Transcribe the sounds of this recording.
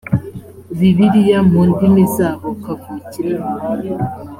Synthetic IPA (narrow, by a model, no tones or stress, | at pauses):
βiβiɾijamundimisaβokafuciɾe